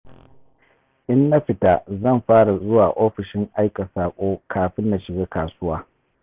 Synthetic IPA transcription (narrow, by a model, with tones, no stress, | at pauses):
ʔɪ˦nːa˦ɸɪ˨ta˦zɐ˦˨mɸaː˦ɽa˨zʊ˦waː˨ʔoː˦ɸɪ˨ʃɪ˦ŋʔa˦jka˨saː˨kʷʼoː˦kʰaː˨ɸɪ˦nːa˨ʃɪ˨ɡeː˦kaː˨sʊ˦waː˦